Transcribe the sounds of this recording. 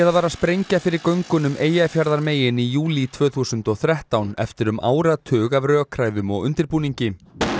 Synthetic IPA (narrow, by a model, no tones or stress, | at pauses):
ɛðavaːɾaspɾejɲcafɪɾɪɾkœɥŋkʏnʏmʔeːjafjaɾðaɾmeːjɪnijuːlit̪ʰv̥œːθuːsʏnt̪ɔɣθɾɛht̪awnɛ̰ft̪ɪɾʏma̰ːwɾat̪ʰʏːɣavɾœːkʰɾaːjðʏmɔɣʏ̰nt̪ɪɾpuːniɲcɪ